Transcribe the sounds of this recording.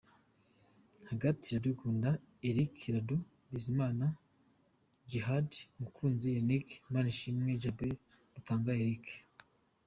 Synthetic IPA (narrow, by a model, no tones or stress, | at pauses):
haɡatijadikuːnda | eɾikʰɾadu | bizimaːna | d͡ʒiɦadmukʰuːnzijenikmaːniʃimŋe̞d͡ʒabe | ɾutaːŋɡaeɾik